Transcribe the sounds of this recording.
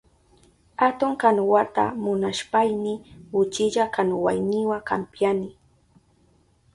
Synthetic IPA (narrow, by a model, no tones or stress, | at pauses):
at̪ʊŋkanwat̪a̰mʊnaʃpajnɪʊt͡ʃɪʎakanwa̰jnɪwaka̰mpjanɪ